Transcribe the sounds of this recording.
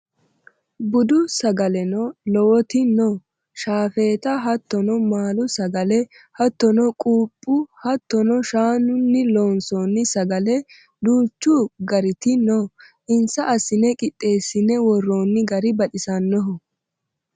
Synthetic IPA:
bʊd̪ʊsɐɡɐlɛnɔlɔwɔt̪ɪnɔ | ʃaːfeːt̪ɐɦɐt̪ːɔnɔmaːlʊsɐɡɐlɛ | hɐt̪ːɔnɔkʼuːpʼːʊhɐt̪ːɔnɔʃaːnʊnːɪloːnsonːɪsɐɡɐlɛ | d̪uːt͡ʃːuɡɐɾɪt̪ɪnɔ | ʔɪnsɐʔɐsɪnɛkʼɪt̪ʼːe̞ːsːɪnːɛwɔrːoːnːɪɡɐɾɪbɐᶑɪsɐnːɔɦɔ

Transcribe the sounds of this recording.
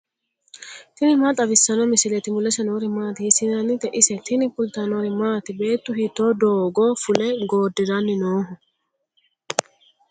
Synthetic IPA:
t̪ɪnɪmaːt̪ʼɐbɪsːɐnɔmɪsɪlɛt̪ɪmʊlɐsɐnɔɾɪmaːt̪ɪhɪsɪnɐnɪt̪ɛʔɪsɛt̪ɪnɪpʊlt̪ɐnɔɾɪmaːt̪ɪbe̞ːt̪ːʊhɪt̪ːoːd̪oːɡoːfʊlɛɡoːd̪ːɪɾɐnːɪnoːɦʊ

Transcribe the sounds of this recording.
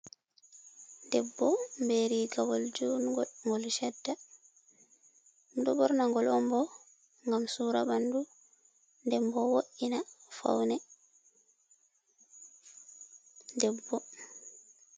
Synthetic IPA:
dɛbːɔmbeɾiːɡawɔld͡ʒunŋɡɔlʃɛdːa | mdɔbɔɾnaŋɡɔlɔmbɔ | ŋɡamsuːɾa̰bandu | ndɛmbɔwoʔinafa̰wnɛ | dɛbːɔ

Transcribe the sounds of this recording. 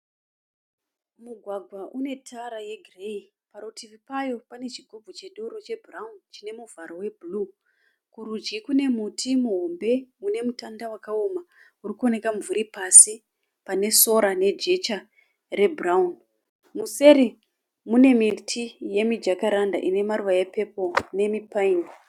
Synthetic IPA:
muɡʱwaɡʱwaʔune̞tʰaɾaje̞ɡʱrei | paɾotivipajo̞pane̞t͡ʃiɡʱub͡vʱot͡ʃe̞ɗuɾot͡ʃe̞bʱraunt͡ʃine̞muvʱaɾo̞we̞bʱlu | kuɾud͡ʒɡikune̞mutʰimuɦo̞mbe̞une̞mutandawakaoma | urikuone̞kaɱvuɾipasi | pane̞so̞ɾane̞d͡ʒe̞t͡ʃa | re̞braun | muse̞ɾi | mune̞mitʰije̞mid͡ʒakaɾanda̰ʔine̞maɾuʋajape̞po̞ne̞mipaino

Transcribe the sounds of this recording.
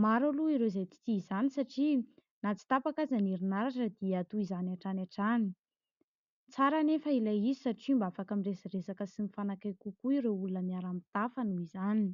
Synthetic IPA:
maɾaluiɾewzajt͡si̥t̪iizanisaʈ͡ʂi | nat͡si̥t̪apakazaniɾinaɾaʈ͡ʂəd̪̥iat̪uizanaʈ͡ʂanaʈ͡ʂani | t͡saɾanefəilajizi̥saʈ͡ʂimbafakamiresaresakəsinifanakajkukuiɾeulunəmiaɾamit̪afanuizani

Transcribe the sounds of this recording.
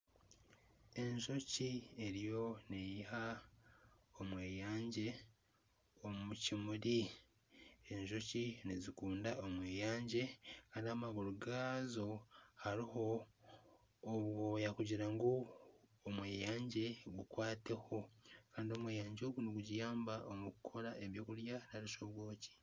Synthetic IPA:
e̞ɲʒo̞cieɾijo̞nejiha | omweːjaːɲɟe̞ | omumucimuɾi | eɲʒo̞cinizikuːndaomweːjaːɲɟe̞kaːndiamaɡuɾuɡazo̞haɾiho̞ | βwojakuɟiɾaŋɡoomwe̞ːjaːɲɟe̞ɡukwaːte̞ho̞kaːndio̞mweːjaːɲɟo̞ɡuneɡuɟijaːmbaʔomukukʰo̞ɾaʔe̞βjo̞ːkuɾjanaɾiʃoβwo̞ːci̥

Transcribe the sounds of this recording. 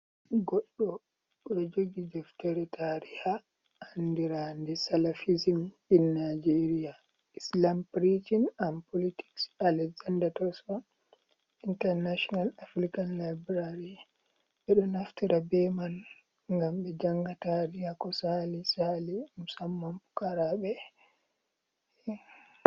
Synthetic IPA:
ɡɔɗːɔ | ɓɗɔd͡ʒoɡidɛftɛɾɛtʰaɾiha | andiɾandɛsalafizim | inːad͡ʒeɾia | islampɾitinampoliti̥ksalɛɡzandatɔsɔ | intɛɾnaʃɔnalafɾikanlajbɾaɾi | ɓɛɗɔnaftiɾabɛmal | ŋɡamɓɛd͡ʒaŋɡataɾihakɔsalisalimusamːamfu̥kaɾaɓɛ

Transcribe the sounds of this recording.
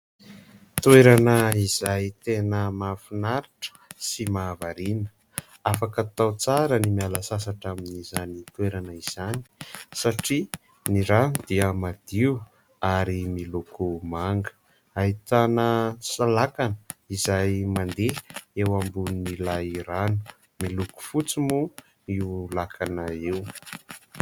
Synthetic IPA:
t̪weɾanəiz̥ajt̪enəmafinaɾiʈ͡ʂə̥simaːvaɾinə̥ | afakət̪awt͡saɾənimialəsasaʈ͡ʂaminizanit̪weɾanəiz̥ani̥saʈ͡ʂi | niɾad̪̥iəmad̪̥iu | aɾimilukʰumaŋɡə̥ | ait̪anəsalakanəizajmand̪eewambuninilaiɾanu̥ | miluku̥fut͡simu | iulakʰanaew

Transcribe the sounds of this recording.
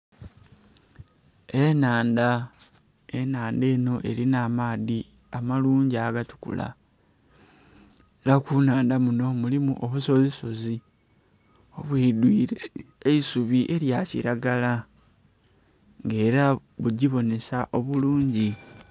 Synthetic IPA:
e̞naːnda | e̞naːnde̞ːno̞ʔe̞̰ɾinaːmaːði | amaluːɲɟiaɡatu̥kṵla̰ | eɾakunaːndamuno̞mulimṵʔoβuso̞ziso̞zi | o̞βwiːdwiːɾeeisuβiʔe̞ɾjacḭɾaɡala | ŋɡe̞ːɾa | βuɟiβo̞ne̞saʔo̞βuluːɲɟi

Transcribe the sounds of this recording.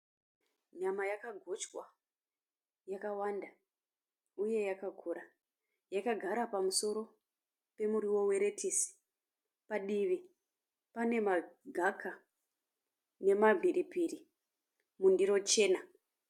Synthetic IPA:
ɲamajakaɡʱot͡ʃkwa | jakawanda | uje̞jakaɡʱuɾa | jakaɡʱaɾapamuso̞ɾo̞ | pe̞muɾiwo̞we̞ɾe̞tisi̥ | paɗiʋi | pane̞maɡʱakʰa | ne̞mavʱiɾipiri | mundiɾo̞t͡ʃe̞ːna

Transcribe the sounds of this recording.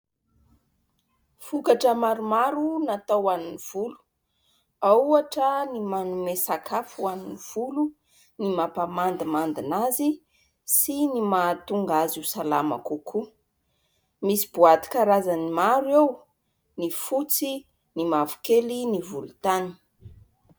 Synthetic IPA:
fukaʈ͡ʂəmaɾumaɾunat̪awaniniv̥ulu̥ | auaʈ͡ʂənimanumesakʰafuaniniv̥ulu | nimapamand̪imand̪inazi | sinimat̪uŋɡazisala̰ma̰kukʰu | misi̥buat̪i̥kaɾazanimaɾew | nifut͡si | nimavu̥kelinivulut̪ani̥

